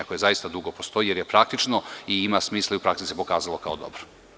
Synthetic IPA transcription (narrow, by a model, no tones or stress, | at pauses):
ako̞jezajist̪ad̪uɡopost̪o̞jije̞ɾjepɾak̚t̪it͡ʃno̞iimasmiːslˠaiupɾaksisepo̞kaːzalˠokaod̪o̞̰bɾo